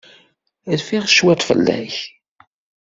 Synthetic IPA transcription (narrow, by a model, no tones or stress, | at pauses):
ɾfiʁʃwæt̪ˤfə̰lːæ̰ç